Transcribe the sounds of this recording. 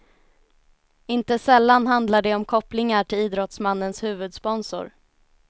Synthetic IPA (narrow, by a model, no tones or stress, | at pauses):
ɪnt̪əsɛlːanɦand̪laɖɛɔmkʰɔplɪŋaʈʰɪliːd̪ɾɔt̪smanːənshʉ̟ːvɵd̪spɔnsʊ̰ɾ